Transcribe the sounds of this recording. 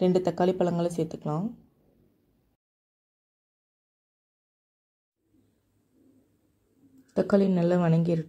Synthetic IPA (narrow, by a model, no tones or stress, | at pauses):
ɾɛɳɖɯt̪ɐkːaːlipːɐɭɐŋɡɐɭɐseːɾt̪ːɯkːɐɭãː | t̪ɐkːaːlɪnɐlːɐʋɐɳɐŋɡiɪɾɯ